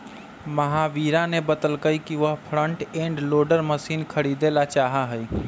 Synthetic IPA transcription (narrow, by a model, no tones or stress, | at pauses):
məɦaʋiːɾanebət̪əlkəikiʋəɦpʰɾəɳʈẽːɳɖloːɖəɾməsiːnkʰəɾid̪elat͡ʃaːɦaɦəj